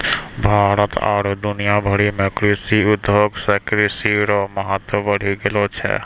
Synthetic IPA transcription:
bʱaɾət̪a̰ːɾd̪unijabʱɔɾimekɾesiud̪ʱoɡsakɾisiɾɔmɔɦat̪wɔbəɽ̤ʱiɡelɔt͡ʃʰɛ̰

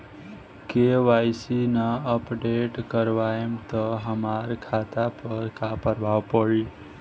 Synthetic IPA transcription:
keʋaːjsinaəpɖeʈkəɾʋaːemt̪əɦəmaːɾkʰaːt̪apəɾkaːpəɾʋʱaʋpəɽi

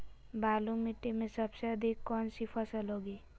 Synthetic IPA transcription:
baːlũmɪʈːemẽsəbseəd̪ʱikːɔːnsipʰəsəlɦoːɡeː

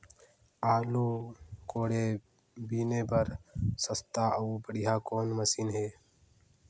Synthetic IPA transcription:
aːluːkoːɽe | biːneːbəɾsəst̪aːəubəɽijaːkoːnməsiːnɦeː

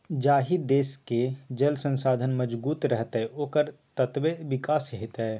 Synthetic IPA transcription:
d͡ʒaːɦid̪eːsked͡ʒɐlsə̃nsaːd̪ʱənmɐd͡ʒbuːt̪ɾɛɦt̪ɦɛoːkəɾt̪ət̪ʋeʋɪkaːsɦɪt̪ɦɛː

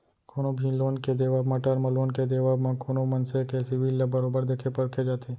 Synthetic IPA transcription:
kʰonobʱĩloːnked̪eːʋaːbmãʈəɾmɐ̃loːnked̪eːʋaːbmãkʰoːnomɐnsekesɪʋiːlːɐbɐɾoːbəɾd̪eːkʰepɐɽkʰed͡ʒaːt̪ʰeː

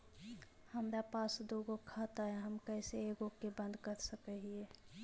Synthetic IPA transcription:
həmɾapasd̪oɡokʰat̪aɦɛɦəmkəɪseeɡokebə̃nd̪kəɾsəkəɦie

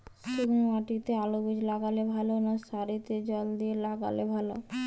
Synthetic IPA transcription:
sukʰmaʈit̪ealobid͡ʑlaɡalebʱalonaʃaɾit̪ed͡ʑɔld̪ielaɡa̰lebʱalo̰

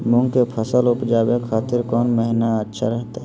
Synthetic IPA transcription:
mʊ̃ŋɡkepʰəsəlʊpd͡ʒaːbekʰaːt̪ɪɾkɔːnməɦɪnaətːʃʰaɾəɦt̪aɦɛ

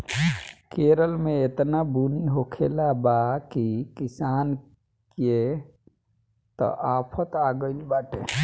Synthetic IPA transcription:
keɾəlmeet̪nabuniɦokʰelabakikisan | ke | t̪ə̰ʔapʰət̪aɡəɪlbaʈ̪ḛ

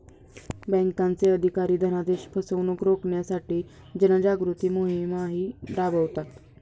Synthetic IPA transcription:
bɛ̃ŋkant͡seəd̪ʱikaɾiːd̪ʱənad̪eɕpʰəsəʋnuːkɾokɳjasaʈiː | d͡ʑənad͡ʑaɡɾut̪iːmoɦimaɦiːpɾabʱəʋt̪a

